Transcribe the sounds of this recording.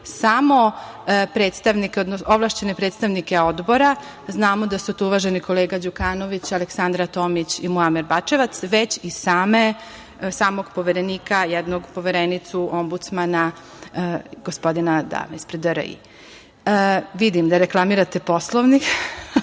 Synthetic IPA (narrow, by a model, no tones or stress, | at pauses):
samo̞ | pɾeːt̪st̪aʋnikeod̪nooʋlˠaʃt͡ɕene̞pɾet̪st̪aʋnike̞o̞d̪bo̞ɾa | znaːmo̞d̪asut̪uuʋaːʒe̞niko̞le̞ːɡad͡ʑukaːno̞ʋit͡ɕaleksand̪ɾat̪o̞ːmit͡ɕimuamiɾbat͡ʃe̞ʋat̪sʋe̞t͡ɕisaːme | saːmo̞ɡpo̞ʋeɾeniːkajɛd̪noɡpo̞ʋeɾenit̪suʔo̞mbut̪smana | ɡ̥ospo̞d̪inad̪a̰meispɾed̪əɾ̰ḭ | ʋid̪imd̪aɾeklˠamiɾat̪epo̞slˠoʋnix